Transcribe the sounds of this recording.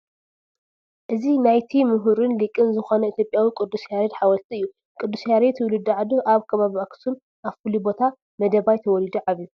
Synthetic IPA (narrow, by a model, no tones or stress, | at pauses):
ʔɨzinajt̪ʰimɨɦuɾɨnlɨkʼɨnzɨxonɐit̪ʰjopʼjawikʼɨd̪ːusjaɾed̪ħawɐlt̪ʰiɨjːu | kʼɨd̪ːusjaɾet̪wʊlud̪uʕad̪uʔaβkʰɐβaβiaksum | ʔaβfɨlubo̞t̪ʰa | mɐd̪ɐβajt̪ʰɐwɔlid̪uʕaβju